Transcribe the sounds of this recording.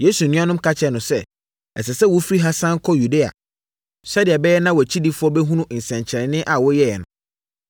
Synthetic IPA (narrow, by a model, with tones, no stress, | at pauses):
je˦su˨nĩ˦ã˦nʊ̃˦m˦kʰa˦t͡ɕʰɛ˦˨nʊ̃˨sɛ˦ | ɛ˨sɛ˨sɛ˦wʊ˦fɾi˦ɦa˦sã˦ŋ˦kʰɔ˦ju˨de˦a̰˨ | sɛ˦dɪ˨ɛ˨bɛ˦jɛ˦nã˦wɔ˨æ˨t͡ɕʰi˦di˦fʊ˦ɔ˦bɛ˦ɦũ˦nũ˦ʔn̩˨sɛ̃˨ɲt͡ɕʰɛ˨ɾɪ̃˨nɪ̃˦ʔa˨wɔ˦jɛ˦jɛ̰˨nʊ̰̃˨